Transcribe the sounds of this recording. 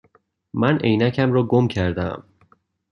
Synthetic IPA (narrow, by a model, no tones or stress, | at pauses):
mænejnæcʰæmɾɒːɡomcʰæɾd̪æm